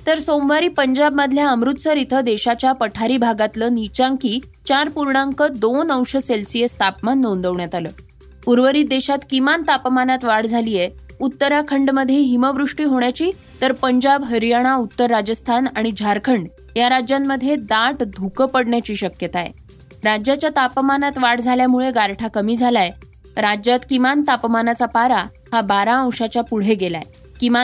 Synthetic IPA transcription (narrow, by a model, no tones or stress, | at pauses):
t̪əɾsomʋaɾiːpəɲd͡ʑabməd̪ʱljaəmɾut̪t͡səɾit̪ʰəd̪eɕat͡ɕjapəʈʰaɾiːbʱaɡat̪ləːnit͡ɕãŋkiː | t͡ɕaɾpuɾɳãŋkəd̪onəwɕəselsijest̪ʰapmanːond̪əʋɳjat̪aləː | puɾʋəɾiːd̪eɕat̪kimant̪apmanat̪ʋaɽd͡zʱaliːjeut̪ːəɾakʰəɳɖməd̪ʱjeɦiməʋɾuʂʈiːɦoɳjat͡ɕiː | t̪əɾpəɲd͡ʑabɦəɾjaɽ̃aut̪ːəɾːad͡ʑəst̪ʰanaɽ̃id͡ʑʱaɾkʰəɳɖ | jaɾad͡ʑjamːəd̪ʱːjed̪aʈd̪ʱukəpəɽɳjat͡ɕiːɕəkjət̪aḛ | ɾad͡ʑjat͡ɕjat̪apmanat̪ʋaɽd͡zʱaljamuɭeɡaɾʈʰakəmiːd͡zʱalaj | ɾad͡ʑjat̪kimant̪apmanat͡sapaɾa | habaɾaə̃w̃ʂat͡ɕjapuɽ̤eɡelaḛ | kima